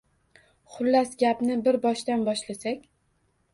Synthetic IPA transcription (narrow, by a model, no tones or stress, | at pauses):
χʊlːasɡʲapnɪbɪɾbɒʃd̪anbɒʃlasakʲ